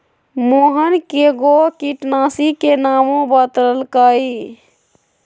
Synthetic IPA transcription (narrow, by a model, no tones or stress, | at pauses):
moɦənkeɡokiʈnasikenamõbət̪ɾəlkəi